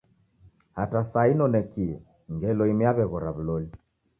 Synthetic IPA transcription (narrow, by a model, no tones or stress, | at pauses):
hatasainɔnɛkiɛ | ŋɡɛlɔimiaβɛɣɔɾaβ̩lɔli